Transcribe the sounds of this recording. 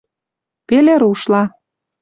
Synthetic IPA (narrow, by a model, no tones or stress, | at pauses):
peleɾuʃlɑ